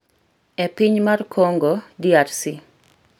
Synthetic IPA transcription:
ɛpiɲmarkʰoŋɡodiarsi

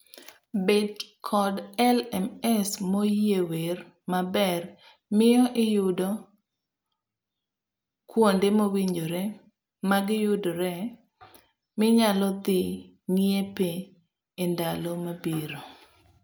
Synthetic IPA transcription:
bedkʰɔdɛlɛmɛsmojewer | mabɛr | mɪɔʔɪjʊdo | kwondemowiɲd͡ʒoɾe | maɡɪjʊdoɾɛ | mɪɲalɔd̪ɪ | ŋiepeː | ndalɔmabiɾo

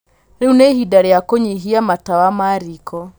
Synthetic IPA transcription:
ɾeunehidaɾɛjakoɲiɦiamatawamaɾikɔ

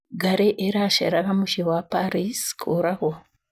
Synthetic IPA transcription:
ɡaɾeʔeɾaʃḛɾakamuʃewapaɾiskʰoɾaho

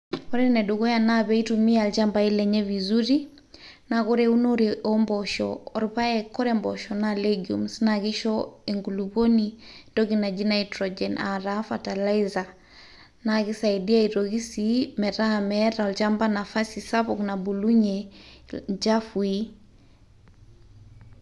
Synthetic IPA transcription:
ɔɾɛnɛdoɣɔjanaβɛitumialt͡ʃambailɛɲɛvizuɾi | nakɔɾɛunoɾiʔɔmbɔʃɔ̰ɔɾpaɛkɔɾɛmbɔ̰ʃɔnaleɡiṵmsnakiʃɔeŋɡuluβonindɔkinad͡ʒinaitɾɔd͡ʒɛna̰ɾafatalaiza | nakisaidiaiɾɔɣisimɛɾaamɛɾaɔlt͡ʃambanafasisaβɔknabuluɲɛ | d͡ʒafui

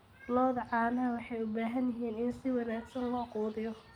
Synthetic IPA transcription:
lɔːðʕɑːnɐwɑħɑjʊbaːɦɐnjɐɦiːnɪnsɪwɑnaːɡsɐnlɔːquːðɪjɔ

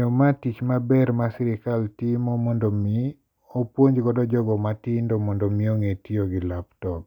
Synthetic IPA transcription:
omatit͡ʃmabɛɾmasiɾɪkaltimɔmɔndomi | opwoɲd͡ʒɡɔdɔd͡ʒɔɡɔmatindɔmɔndomioŋetioɡɪlaptɔk̚

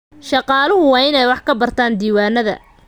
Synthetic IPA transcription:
ʃɑqɑːlʊɦʊwɑːɪnɛjwɑħkʰɐbɐrt̪ʰaːnd̪iːwaːnɐðɐ̰

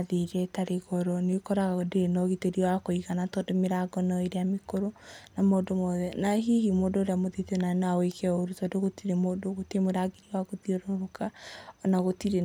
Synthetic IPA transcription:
ðiɾɛtaɾeɣɔɾɔnkɔɾaɣaɣodenɔɣiteɾiɔakoiɣanatɔdomeɾaɡɔnɔeɾeamekoɾonamoːdomɔðɛnaɦiɦimoːdooɾeamoðitnanawekʰɛoɾutɔdoɣotiɾemoːdoɣotiemoɾaɡeɾiaɣoðiɔɾɔɾokaɔnaɣotiɾe

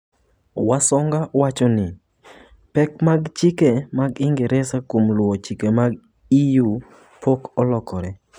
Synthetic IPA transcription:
wasɔŋɡawat͡ʃɔnɪ | pɛkmaɡt͡ʃɪkemaɡɪŋɡɛɾɛsakomlwot͡ʃikemaɡ | iju | pokɔlɔkʰɔɾɛ

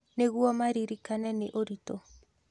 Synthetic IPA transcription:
neɣuamaɾiɾikanɛneʔoɾitɔ

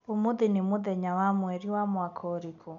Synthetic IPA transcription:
omoðenemoðɛɲawamwɛɾiwamwakʰɔɾikʰo

